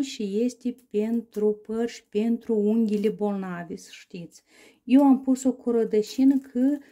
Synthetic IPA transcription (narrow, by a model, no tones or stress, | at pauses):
ʃijesʲt̪ʲepʲent̪ɾupərʃʲpʲent̪ɾuuŋɡʲilʲebolnavʲesə̥ʂt̪it̪s | jewampusokʰoɾəd̪əʃinəkʰə